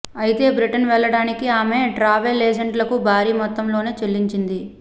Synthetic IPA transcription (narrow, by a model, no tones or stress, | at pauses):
ɐjit̪e̞ːbɾiʈɐnʋɛɭːɐɽaːnikiaːme̞ːɖɾaːʋelːeːd͡ʒɐɳɖlɐkubʱaːɾiːmɔt̪ːɐmloːne̞ːt͡ʃelːiɲt͡ʃind̪i